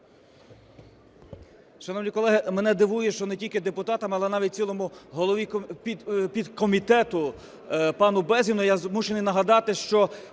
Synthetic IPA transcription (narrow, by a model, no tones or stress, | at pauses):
ʃɐnɔʋnʲijkɔlˠɛɦɪmɛnɛd̪ɪʋujɛʃt͡ʃɔnetʲilʲkɪd̪epʊt̪ɑt̪ɐmɐlˠɛnɑʋʲit̪̚ʲt͡sʲilˠɔmʊɦɔlˠɔʋʲi | pʲid̪kɔmʲit̪ɛt̪ʊ | pɑnʊbɛzʲinʊjazmuʃenɪjnɐɦɐd̪ɑt̪ɪʃt͡ʃɔ